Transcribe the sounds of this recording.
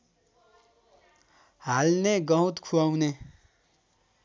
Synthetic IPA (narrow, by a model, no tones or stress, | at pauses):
ɦalneɡʌɦũt̪kʰuawne